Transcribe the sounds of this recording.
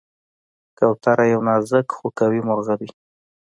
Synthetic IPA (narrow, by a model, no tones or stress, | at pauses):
kawt̪aɾajawnɑzəkxokawimʊɾɣadi